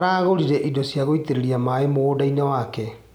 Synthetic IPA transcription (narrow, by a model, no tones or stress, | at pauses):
ɾaːɣoɾiɾɛʔidosjaɣoiteɾeɾiamaemoːdainawakɛ